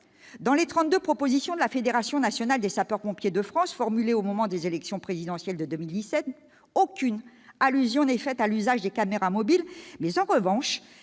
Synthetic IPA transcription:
d̪ɑ̃let̪χɑ̃t̪̚d̪øpχɔpozisjɔ̃d̪əlafed̪eʁasjɔ̃nasjɔnald̪esapœʁpɔ̃pjed̪əfχɑ̃sfɔʁmyleomɔmɑ̃d̪ezelɛksjɔ̃pχezid̪ɑ̃sjɛld̪əd̪ømild̪isɛt̪ | okʲyn | alyzjɔ̃nɛfɛt̪alyzaʒd̪ekameʁamɔbilmɛzɑ̃ʁəvɑ̃ʃ

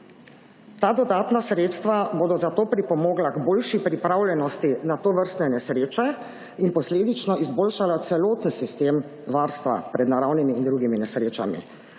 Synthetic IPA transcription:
t̪aːd̪ɔd̪aːt̪nasɾeːt̪st̪ʋaboːd̪ɔzat̪oːpɾipɔmoːɡlaɡboːlʃipɾipɾaːwljɛnɔst̪inat̪oːʋəɾst̪nɛnɛsɾeːt͡ʃɛ | inpɔsleːd̪it͡ʃnɔizboːlʃalat̪sɛloːt̪n̩sist̪eːm | ʋaːɾst̪ʋa̰pɾɛd̪naɾawnimiːnd̪ɾuɡiminɛsɾeːt͡ʃa̰mḭ

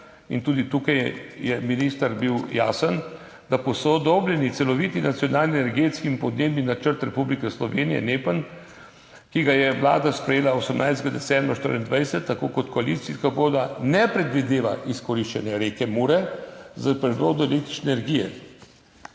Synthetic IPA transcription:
int̪uːd̪it̪uːkajjɛminist̪aɾbiwja̰ːsən | d̪apɔsɔd̪oblʲɛnit̪sɛlɔʋit̪inat̪sjɔnaːlnienɛɾɡeːt̪skimpɔd̪neːbninat͡ʃəɾt̪ɾɛpublikɛslɔʋeːnijɛ̰neːpən | kiɡajɛʋla̰ːd̪aspɾɛjeːlaosəmnʔajzd̪ɡad̪ɛsɛmbɾaʃt̪ə̰ɾind̪ʋajsɛt̪ːakoːkɔt̪kɔalit̪siskaboːd̪anɛpɾɛd̪ʋid̪eːʋa̰ʔiskɔɾiʃt͡ʃɛnjɛɾekɛmuɾɛzapɾɛd̪ɾoːd̪ɔɛlek̚t̪ɾi̥t͡ʃnɛnɛɾɡijɛ̰

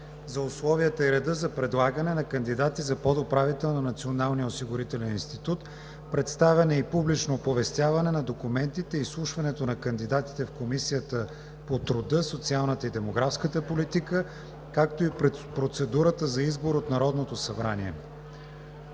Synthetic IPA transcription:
zɐʊslˠɔviət̪əɛɾɛd̪əzɐpɾɛd̪lˠaɡənɛnɐkənd̪id̪at̪izɐpod̪opɾavit̪ɛlˠnonɐt̪sionalˠnijəosiɡʊɾit̪ɛlɛninst̪it̪ut̪ | pɾɛt̪st̪avʲɛnɛipublit͡ʃnopovɛst̪ʲjavɐnɛnɐd̪okumɛnt̪it̪ɛislˠuʃvɐnɛt̪onɐkənd̪id̪at̪i̥t̪ɛfkomisijət̪ə | pot̪ɾʊd̪ɤsot̪sialˠnət̪əid̪ɛmoɡɾafskət̪əpolit̪ikə | kakt̪oipɾɛpɾot̪sɛd̪uɾət̪əzɐizboɾot̪nɐɾɔd̪not̪osɐbɾaniɛ̰

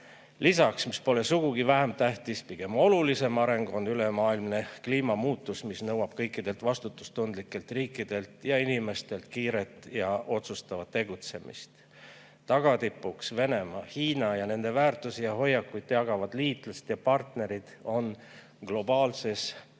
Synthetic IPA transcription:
lisɑksmispo̞le̞suɡ̥uɡ̥ivæɦemt̪æht̪ispiɡ̥e̞mo̞lulise̞mɑɾe̞ŋɡo̞nːylemɑːilmne̞kliːmɑmuːt̪ːˑusmisnɤwɑb̥̚kɤ̞jkːˑid̪̥e̞lt̪ˑvɑst̪ut̪ːˑu̥st̪und̪likːˑe̞lt̪riːkːˑid̪̥e̞lt̪jɑinime̞st̪e̞lt̪kiːɾe̞t̪ˑjɑo̞t̪sust̪ɑvɑd̪̥̚t̪ːe̞ɡ̥ut̪se̞mḭst̪ | t̪ɑɡ̥ɑt̪ipːˑuksve̞ne̞mɑːhiːnɑjɑne̞nd̪̥e̞væːrt̪ˑusijɑɦo̞jːɑkːˑujt̪ːˑjɑɡ̥ɑvɑd̪̥liːt̪ˑlust̪jɑpɑrt̪ne̞ɾid̪̥o̞n | ɡ̥lo̞bɑːlse̞s

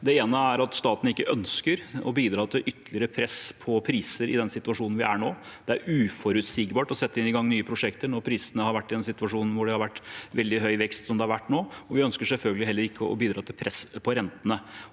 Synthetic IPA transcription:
d̪ɛeːnəæɾɑt̪st̪ɑːt̪n̩ɪkːəʔœnskəɾɔ̰biːd̪ɾɑːt̪ʰɪlʔʏt̪ːlɪəɾəpʰɾɛspʰɔpʰɾiːsəɾɪ̰d̪ɛnsɪt̪ʉʋɑʂuːnn̩ʋɪ̰ʔæɳoːd̪̥ɛæɾʉːfɔɾʉt̪siːɡbɑːʈɔsɛt̪ːəɪnːɪɡɑŋːnyːəpʰɾʊʂɛkt̪əɳɔɾpʰɾiːsənəhɑɾʋæʈːɪd̪ɛnsɪt̪ʉɑʂuːnn̩ʋʊɖɛhɑɾʋæʈːʋɛld̪ɪɦœʏʋɛkst̪sɔmd̪ɛɑɾʋæʈːnoːɔʋɪœnskəʂɛlfœlɡəlɪɦɛlːəɾɪkːəɔ̰biːd̪ɾɑːt̪ʰɪlpʰɾɛspʰɔɾɛnt̪ənə

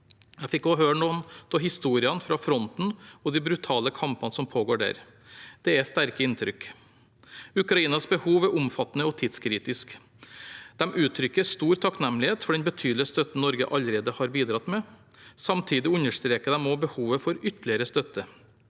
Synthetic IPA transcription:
jæfɪkːɔɦøːɾɳuːnt̪ʰɔhɪst̪uːɾɪɑnfɾɑfɾɔnt̪n̩ɔd̪ɪbɾʉt̪ʰɑːləkʰɑmpɑnəsɔmpʰoːɡoːɖæ̰ːɾ | d̪̥ɛæst̪æɾkəɪnt̪ʰɾʏk | ʉkɾɑiːnɑsbəhuːʋæɾʔʊmfɑt̪ːnəɔt̪ʰiːd̪skʰɾiːt̪ɪsk | d̪̥ɛmʔʉːt̪ʰɾʏkːəɾst̪uːɾt̪ʰɑknɛmlɪheːt̪fɔɖɛnbət̪ʰyːd̪lɪəst̪œt̪n̩nɔɾɡə̰ʔɑləɾeːd̪əhɑɾbiːd̪ɾɑt̪mɛ | sɑmt̪ʰiːd̪ɪʉnːəʂt̪ɾeːkəd̪ɛmɔbəhuːʋəfɔɾʏt̪lɪəɾəst̪œt̪ːə

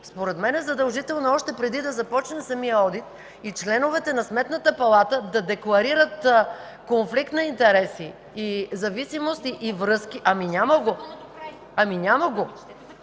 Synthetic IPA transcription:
spoɾɛt̪mɛnɛzɐd̪ɐlˠʒit̪ɛlˠnoɔʃt̪ɛpɾɛd̪id̪ɐzɐpɔt͡ʃnəsɐmijəɔd̪it̪ | it͡ʃlɛnovɛt̪ɛnɐsmɛt̪nət̪əpɐlˠat̪əd̪ɐd̪ɛklˠɐɾiɾət̪ | konflikt̪nɐint̪ɛɾɛsiː | zɐvisimost̪iʔːvɾɤsk̟iʔɐmiɲʲaməɡo | ɐmiɲʲaməɡo

